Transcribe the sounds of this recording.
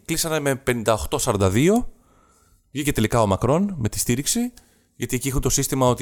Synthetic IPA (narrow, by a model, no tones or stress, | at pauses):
klisɐnɐme̞pe̞nind̪ɐo̞xt̪o̞sɐɾɐnd̪ɐðio̞ | vʝice̞t̪e̞likɐo̞mɐkɾo̞nme̞t̪i̥st̪iɾiksi | ʝɐt̪ie̞ciexunt̪o̞sist̪imɐo̞t̪